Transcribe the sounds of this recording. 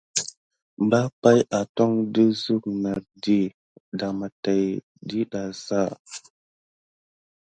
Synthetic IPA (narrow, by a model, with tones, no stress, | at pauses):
mba˦pa˦jʔa˨to˦ŋdə˦zu˦k̚na˨ɾdi˦ | da˨ma˨ta˨j | di˦ɗa˨za˦˨